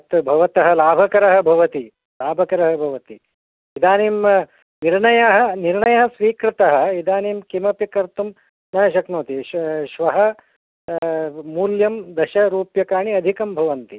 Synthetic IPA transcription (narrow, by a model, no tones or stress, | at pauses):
ɐt̪bʱɐʋɐt̪ɐɦɐ̆laːbʱɐkɐɾɐɦɐ̆bʱɐʋɐt̪i | laːbʱɐkɐɾɐɦɐbʱɐʋɐt̪i | id̪ʱaːniːm | niɾɳɐjɐɦɐ̆niɾɳɐjɐɦɐsʋiːkɾit̪ɐɦɐ̆id̪ʱaːniːmkimɐpikɐɾt̪um | nɐjɐʃɐknoːt̪iʃʋɐɦɐ | muːljɐmd̪ɐʃɐɾuːpjɐkaːɳiɐd̪ʱikɐmbʱɐʋɐnt̪i